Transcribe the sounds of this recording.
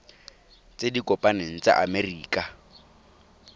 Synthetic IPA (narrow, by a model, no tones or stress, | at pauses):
t͡sʼedikʼɔpʼaneŋ̩t͡sa̰ʔa̰meriːkʼa